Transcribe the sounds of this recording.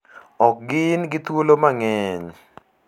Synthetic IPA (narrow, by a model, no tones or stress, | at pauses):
ɔk̚ɡɪnɡɪt̪wolomaŋɛɲ